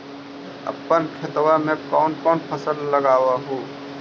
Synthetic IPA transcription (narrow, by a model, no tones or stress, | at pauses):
ə̰pːənkʰɪt̪wamẽkɔːnkɔːnpʰəsəlːəɡaːwaɦoː